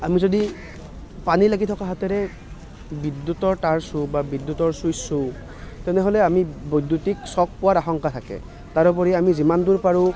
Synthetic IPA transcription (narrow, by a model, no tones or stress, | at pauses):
amizodi | panilaɡitʰɔkaɦatɛɹɛ | bidːutɔɹtaɹsʊ̃babidːutɔɹsujsʊ̃ | tɛnɛɦolɛamibojdːutiksɔk̚pɔwaɹaxɔŋkatʰakɛ̰ | taɹup̬ɔɹiamizimanduɹpaɹʊ̃